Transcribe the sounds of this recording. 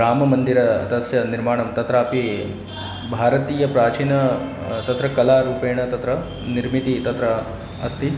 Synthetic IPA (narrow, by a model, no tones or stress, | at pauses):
ɾaːmɐmɐnd̪iɾɐt̪ɐsjɐniɾmaːɳɐmt̪ɐt̪ɾaːpi | bʱaːɾɐt̪iːjɐpɾaːt͡ʃiːnɐ | t̪ɐt̪ɾɐkɐlaːɾuːpeːɳɐt̪ɐt̪ɾɐ | niɾmit̪it̪ɐt̪ɾɐ | ɐst̪i